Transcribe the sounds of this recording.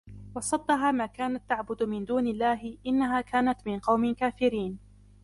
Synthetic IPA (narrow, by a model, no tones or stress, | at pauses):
wɑsˤɑd̪ˤːɑɦaːmaːkaːnat̪ːaʕbʊd̪ʊmɪnd̪uːnɪlːaːɦɪʔɪnːaɦaːkaːnat̪mɪnqɑwmɪkaːfɪɾiːn